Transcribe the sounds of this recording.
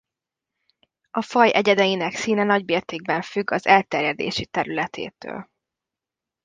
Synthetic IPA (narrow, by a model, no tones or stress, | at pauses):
ɒfɒjʔɛɟɛd̪ɛjinɛksiːnɛnɒɟbeːrt̪eːɡ̚bɛɱfyɡːɒzɛlt̪ɛrjɛd̪ḛːʃit̪ɛɾylɛt̪ʰḛːt̪ø̰ːl